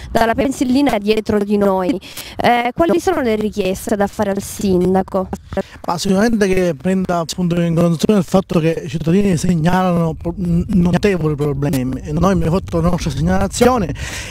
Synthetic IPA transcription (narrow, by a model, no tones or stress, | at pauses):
d̪alːapenselːiːnad̪jɛːt̪ɾod̪inoji | kwaːlolisoːnolerikjɛst̪ed̪afːaːɾealsind̪akoa | masːikuɾament̪ekepːɾɛnd̪aːpːunt̪̬oiiŋkond̪ut̪sjonelfat̪ːokeit͡ʃit̪ːad̪iːniseɲːaːlanopnot̪eːvolipɾoblɛɛːmennojmefat̪ːolanɔst̪ɾaseɲːalat̪sːjoːne